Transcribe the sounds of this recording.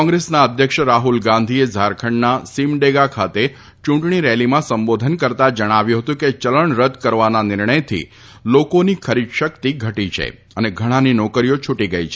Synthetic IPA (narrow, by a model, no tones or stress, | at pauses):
kɔ̃ŋɡɾesnaəd̪ʱjəkʃəɾaɦulɡãnd̪ʱiezʱaɾkʰəɳnasimɖeɡakʰat̪e | t͡ʃũʈɳiɾɛlimãsəmbod̪ʱənkəɾt̪ad͡ʒəɽ̃aʋjũɦət̪ũket͡ʃələɳɾəd̪kəɾʋananɪɾɳəjt̪ʰḭ | lokonikʰəɾid̪ʃəkt̪iɡʱəʈit͡ʃʰḛ | əneɡʱəɽ̃aninɔkəɾijot͡ʃʰuʈiɡəjt͡ʃʰe